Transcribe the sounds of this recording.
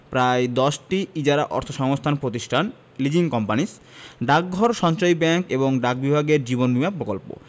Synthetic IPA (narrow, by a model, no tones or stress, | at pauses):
pɾajd̪ɔʃʈiid͡ʑaɾaʔɔ̰ɾt̪ʰoʃɔŋost̪ʰanpɾot̪iʃʈʰan | lid͡ʑiŋkɔmpanis | ɖak̚ɡʱɔɾʃɔnt͡ɕojbɛŋkeboŋɖak̚bibʱaɡeɾd͡ʑibonbimapɾokolpo̰